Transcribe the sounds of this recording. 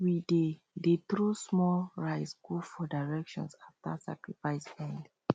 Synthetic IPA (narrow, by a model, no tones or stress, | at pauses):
wide | det̪ɾusmɔlɹaɪsɡufɔdaɪɹɛkʃɔ̰̃nsafta̰sa̰kɹifaɪsbɛ̃nd